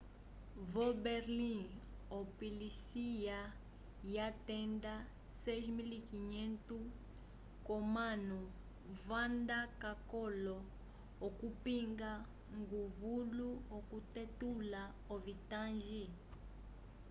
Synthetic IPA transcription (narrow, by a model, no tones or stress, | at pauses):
vɔbɛɾlĩɔpilisija | jatɛnda | sɛʒmilikiɲɛntu | kɔmanu | vandakakɔlɔː | kupiŋɡa | ŋɡuvuluɔkutɛtula | ovitãnʒi